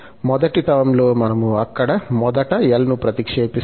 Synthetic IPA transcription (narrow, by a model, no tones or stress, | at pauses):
mɔd̪ɐʈit̪ɐʋɐmlo̞ːmɐnɐmuɐkːɐɽɐmɔd̪ɐʈɐjɐlnupɾɐt̪ikʂeːpi